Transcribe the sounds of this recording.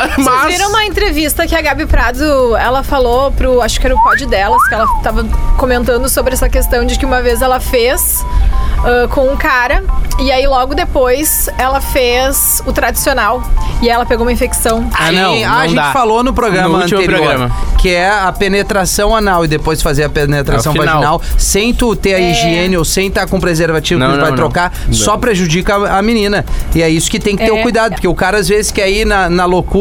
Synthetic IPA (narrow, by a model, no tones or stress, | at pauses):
maviɾɐ̃ũmɐẽnt̪ɾevist̪ɐkɪaɡabɪpɾad̪ʊɛlɐfalopɾʊaʃʊ̥kɪɛɾɐʊpɔd͡ʒɪd̪ɛlɐskɪɛlɐt̪avɐkomẽnt̪ɐ̃nd̪ʊsobɾɪɛsɐkest̪ɐ̃w̃d͡ʒɪkɪũmɐvezɛlɐfes | ɛkõũkaɾɐɪailɔɡʊd̪epojsɛlɐfez̥ | ʊt̪ɾad͡ʒi̥sionawɪɛlɐpeɡoũmɐĩfeksɐ̃w̃anɐ̃w̃aaɐʒ̃ed̪ãt͡ʃfalonʊpɾoɡɾɐ̃ɐ̃epɾoɡɾɐ̃mɐkɪɛɐpenet̪ɾasɐ̃w̃anawɪd̪epojsfazeɾɐpenet̪ɾasɐ̃wvanʒiwnawsẽj̃t̪ut̪eɾɐiʒiẽnɪowsẽj̃t̪aɾkõpɾezeɾvat͡ʃivʊnɐ̃vaj̪̃ɾõkasɔpɾeʒud͡ʒikɐaminĩnɐɪɛisʊ̥kɪt̪ẽj̃kɪɪt̪eɾʊkujd̪ad̪ʊpoɾkeʊkaɾɐazvezɪskɛinɐnɐloku